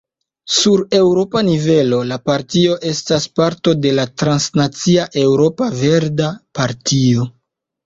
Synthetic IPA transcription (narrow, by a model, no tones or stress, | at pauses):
suɾe̞wɾo̞panive̞lo̞lapaɾtio̞ʔe̞staspaɾto̞de̞latɾansnat͡siaʔe̞wɾo̞pave̞ɾdapaɾtio̞